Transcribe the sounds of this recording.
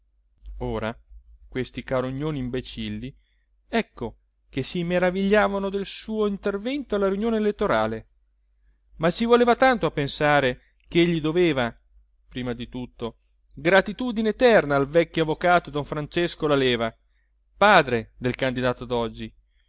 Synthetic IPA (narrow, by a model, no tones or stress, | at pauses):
oːɾakwest̪ikaɾoɲːoːnimbet͡ʃilːi | ɛkːo | kesimeɾaviʎːaːvanod̪elsuːoint̪ervɛnt̪oalːaɾiunjoːneːlet̪ːoɾaːle | mat͡ʃːivoleːvat̪ant̪oapːensaːɾe | keʎːid̪oveːva | pɾiːmad̪it̪ut̪ːo | ɡɾat̪it̪uːd̪ineːt̪ɛrnaːlvɛkːjoavːokaːt̪od̪oɱfɾant͡ʃeskolaleːva | paːd̪ɾed̪elkand̪id̪aːt̪od̪ɔd͡ʒːi